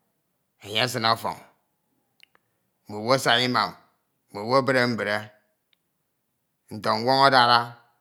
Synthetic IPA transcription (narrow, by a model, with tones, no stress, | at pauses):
e˨ɲe˦a˦s̬ɨ˦na˦fɔ̰˨ŋ˨ | mu˨wo˦a˦sa˨ɣi˦ma˨m̩˨ | mu˨wo˦be˦ɾe˦m̩˦be˨ɾe˦ | n̩˨to˨ŋ̩˦wʷo˦ŋo˦da˦ɾa˦